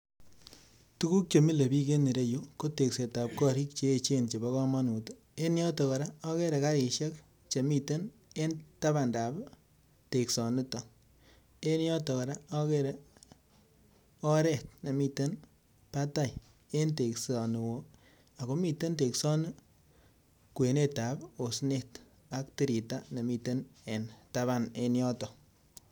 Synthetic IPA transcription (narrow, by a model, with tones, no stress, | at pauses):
tu˦ku˦k̚t͡ʃo˨mi˦le˨bi˦ke˦ne˨ɾe˦jo˦ko˦te˨kse˨ta˨p̚kɔ˦ɾi˦k̚t͡ʃeː˨˦˨t͡ʃe˦nt͡ʃe˨bɔ˦kɔ˦ma˦nu˨to˦ | e˦njɔ˦tɔ˨kɔ˨ɾa˦ɔ˦ke˦ɾe˨ka˦ɾi˨ʃɛ˦k̚ | t͡ʃe˨mi˦te˦n | e˦nta˦ba˨nda˨b | te˨ksɔ˨nu˦tɔ˨ | e˦njɔ˦tɔ˨kɔ˨ɾa˦ɔ˦ke˦ɾe˨ | ɔ˦ɾɛ˦˨t̚ne˨mi˨te˦n | pa˦ta˦j | e˦nte˨ksɔ˨nu˨wo˨ | a˨ko˦mi˨te˦nte˨ksɔ˦nɨ˦ | kwe˨ne˦ta˨po˨sne˦˨t | a˨˦k̚ti˦ɾi˨ta˦ne˨mi˧te˦ne˨nta˦βa˦ne˦njɔ˦tɔ˨